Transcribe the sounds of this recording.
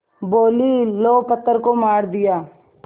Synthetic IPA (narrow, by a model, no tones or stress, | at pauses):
boːliloːpət̪ːəɾkomaːɾd̪ɪjaː